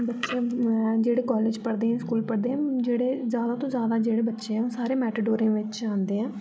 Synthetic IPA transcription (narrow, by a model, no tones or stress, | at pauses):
bətːʃẽːd͡ʒeːɽeːkɔːleːd͡ʒpəɽd̪eːɦɛ̃ːskuːlpəɽd̪eːɦɛ̃ːd͡ʒeːɽeːzjaːd̪aːt̪õːzjaːd̪aːd͡ʒeːɽeːbətːʃeːɦɛ̃ːõːsaːɾeːmɛːʈəɖoːɾiãːʋɪt͡ʃãːnd̪eːɦɛ̃ː